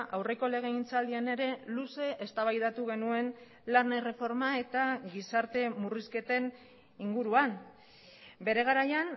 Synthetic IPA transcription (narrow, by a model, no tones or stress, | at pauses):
ʔawre̞ko̞le̞ɣ̞e̞int͡sald̪iane̞ɾe̞luse̞ʔest̪aβajðat̪uɣ̞e̞nue̞n | lane̞re̞fo̞ɾmae̞t̪aɣisaɾt̪e̞muriske̞t̪e̞n | iŋɡuɾuan | be̞ɾe̞ɣ̞aɾajan